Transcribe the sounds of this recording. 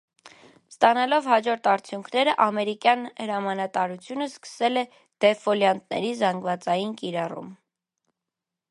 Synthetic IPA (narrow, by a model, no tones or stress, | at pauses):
st̪ɑnɑlɔvhɑd͡ʒɔɾt̪ʰɑɾt͡sʰjuŋkʰnɛɾəʔɑmɛɾikjɑnhəɾɑmɑnɑt̪ɑɾut͡sʰjunəskə̥sɛlɛ | d̪̥ɛfɔljɑnt̪̚nɛ̰ɾizɑŋɡvɑt͡sɑjinkiɾɑrṵm